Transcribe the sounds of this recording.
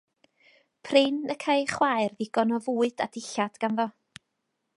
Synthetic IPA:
pʰrɪnəkʰajχwajrðɪɡ̥ɔnɔvuːɨd̥a̰d̥ɪɬad̥ɡ̥anðɔ

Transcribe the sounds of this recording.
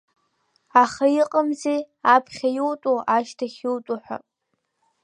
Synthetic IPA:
aχajiqʼəmze | apʰχʲajowtʼoʔaʃtʰaχʲiwtʼuħʷᶣa̰

